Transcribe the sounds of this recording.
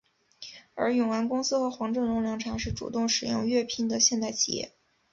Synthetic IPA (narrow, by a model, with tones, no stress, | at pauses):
ə̰˞˧˥jʊ˨˩ŋwa˧˥nkʊ˥ŋsɹ̩˥xɤ˧˥xwɑ˧˥ŋʈ͡ʂɤ˥˩ŋlʊ˧˥ŋljɑ˥˩ŋʈ͡ʂʰɑ˧˥ŋʂɻ̩˥˩ʈ͡ʂṵ˨˩t̪ʊ˥˩ŋʂɻ̩˨˩jʊ̰˥˧ŋɥɛ˥˧pʰi˥˩ŋd̪ə˨ɕjɛ˥˧nt̪a˥˩ɪt͡ɕʰi˨˩jɛ̰˥˩